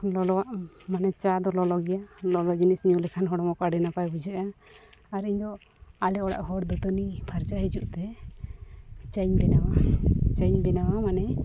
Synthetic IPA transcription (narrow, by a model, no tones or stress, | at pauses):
lɔlɔwaʔmanɛt͡ʃad̪ɔlɔlɔɡɛjalɔlɔd͡ʒinisɲulɛkʰanɦɔɽɔmɔkaɖɛnapajbud͡ʒɛʔaː | ɾiɲd̪ɔ | alɛɔɽa̰ʔhɔɽd̪ɔt̪ənibʰʱaɾd͡ʒaɦid͡ʒuʔt̪ɛ | t͡ʃaɲbɛnawat͡ʃaɲbɛnawamanɛ